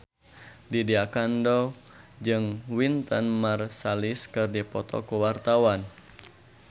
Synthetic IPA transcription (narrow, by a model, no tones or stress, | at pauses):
didiakandɔ | d͡ʒɨŋwint̪ənmarsaliskɨrdipɔt̪ɔ̰kuwart̪awan